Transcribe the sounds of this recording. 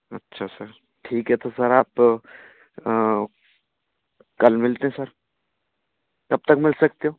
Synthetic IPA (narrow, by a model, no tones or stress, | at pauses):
ɐ̰tːʃʰasɐɾ | ʈʰiːkɦɛt̪ʰosɐɾaːp | kɐlmɪlt̪eɦɛ̃sɐɾ | kɐb̚t̪ɐkmɪlsɐk̚t̪eɦoː